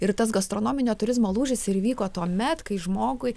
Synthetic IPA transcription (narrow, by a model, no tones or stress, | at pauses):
ɪɾt̪ɐsɡɐst̪ɾoːnoːmʲɪnʲoːt̪ʊɾʲɪzmoːlˠuːʒʲɪsɪɾʋʲiːkoːt̪uɔmʲɛt̪kɐɪʒmoːɡʊɪ